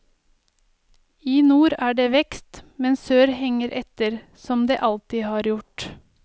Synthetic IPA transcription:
iːnuːɾæːɖeːʋɛkst̪mɛnsøːɾhɛŋəɾʔɛt̪əɾ | sɔmd̪eːʔɑlt̪ɪhɑːɾjʊʈ

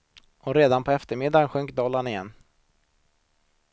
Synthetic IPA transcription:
ɔɾeːd̪anpʰɔɛft̪əɾmɪd̪ːanɧɵŋkd̪ɑːlanɪjɛnː

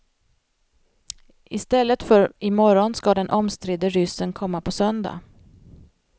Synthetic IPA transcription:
ɪst̪ɛlːət̪fœɾɪmɔɾɔnskad̪ɛnʔɔmst̪ɾɪd̪əɾʏsːənkʰɔmːapʰɔsœnd̪a̰

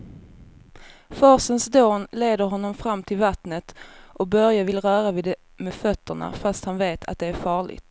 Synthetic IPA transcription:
fɑːsənsd̪oːnleːd̪əɾɦɔnːɔmfɾamːt̪ʰɪlvat̪nət̪ʔɔk̚bœɾjavɪlɾœːɾavɪd̪ | mɛfœt̪ʰːəɳa̰fast̪hanveːt̪ʰa̰t̪̚d̪ɛæɾfɑːɭɪ̰ɡt̪

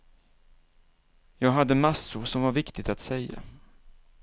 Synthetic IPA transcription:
jɑːɡɦad̪ːəmasːʊɾʂɔmvaɾvɪkt̪ɪɡ̚t̪at̪sɛjːa̰

